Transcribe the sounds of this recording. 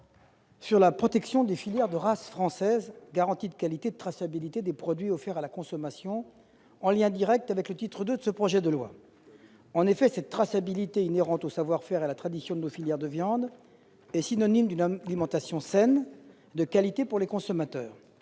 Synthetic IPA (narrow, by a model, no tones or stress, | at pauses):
syʁlapχɔt̪ɛksjɔ̃d̪efiljɛʁd̪əʁasfχɑ̃sɛzɡaʁɑ̃t̪id̪əkalit̪ed̪ət̪χasabilit̪ed̪epχɔd̪ɥiɔfɛʁalakɔ̃sɔmasjɔ̃ | ɑ̃ljɛ̃d̪iʁɛk̚t̪avɛklət̪it̪χəd̪ød̪əsəpχɔʒɛd̪əlwa̰ | ɑ̃nefɛsɛt̪ːχasabilit̪eineʁɑ̃t̪osavwaʁfɛʁealat̪χad̪isjɔ̃d̪ənofiljɛʁd̪əvjɑ̃d̪ | ɛsinɔnimd̪ynlimɑ̃t̪asjɔ̃sɛn | d̪əkalit̪epuʁlekɔ̃sɔmat̪œːʁ